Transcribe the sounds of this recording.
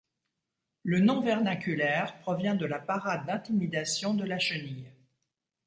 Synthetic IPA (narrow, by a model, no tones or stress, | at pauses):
lənɔ̃vɛʁnakʲylɛʁpχɔvjɛ̃d̪əlapaʁad̪ːɛ̃t̪imid̪asjɔ̃d̪əlaʃənij